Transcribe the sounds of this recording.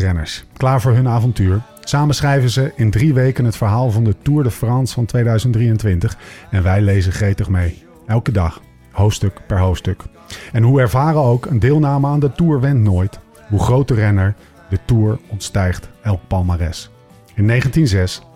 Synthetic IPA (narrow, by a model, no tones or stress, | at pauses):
rɛnə̰ɹsklaːɹvʊːɹɦɵnaːvɔntyːɹ | saːmənsχrɛjvənzəʔɪndriʋejkənɦətfəɹɦaːlˠvɑndətuːɹdəfrɑnsfɑntʋejdœɥzənt̚drijəntʋɪntəχɛnʋɛjlejzəχrejtəχmej | ɛlˠkədɑχ | ɦowftstɵkpɛɹɦowftstɵk | ɛnɦuɛɹvaːrənowkəndɪːlˠnaːməaːndətuːɹʋɛntnojt | ɦuχrowtərɛnəɹ | dətuːɹɔntstɛjχtɛlˠk̚pɑlˠmarɛ̰s | ɪnːejχəntinzɛs